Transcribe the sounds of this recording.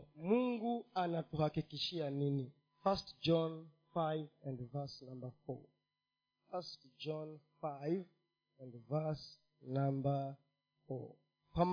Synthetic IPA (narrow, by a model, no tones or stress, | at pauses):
muŋɡuanatuhakikiʃianini | fastd͡ʒɔ̃n | fajvɛ̃ndvasnãmbəfɔ̰ | fastd͡ʒɔnfajv | ɛ̃ndvas | nãmbə | fɔ̰ | pam